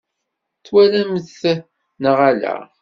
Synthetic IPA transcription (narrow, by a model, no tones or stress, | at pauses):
θwælæməθ | nəʁalæ̰